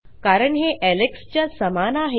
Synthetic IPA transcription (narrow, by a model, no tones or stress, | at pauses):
kaɾəɳɦeʔɛlekst͡ɕjasəmanaɦe